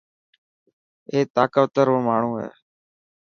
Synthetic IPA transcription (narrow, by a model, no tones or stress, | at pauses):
eːt̪aːkəʋt̪əɾoːmaːɳ̤ũːɦḛː